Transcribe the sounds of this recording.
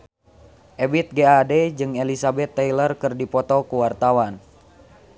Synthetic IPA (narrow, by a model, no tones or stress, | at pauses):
ʔɛbit̪̚ɡeadɛd͡ʒɨŋelisabɛt̪ːɛjlərkɨrdipɔt̪ɔkuwart̪awan